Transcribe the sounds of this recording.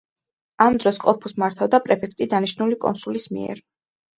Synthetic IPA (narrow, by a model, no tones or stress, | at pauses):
amd̪ɾɔskʼɔpʰusmaɾt̪ʰavd̪apʼɾɛpʰɛkʰt̪ʼid̪aniʃnulikʼɔ̰nsulismḭɛ̰ɾ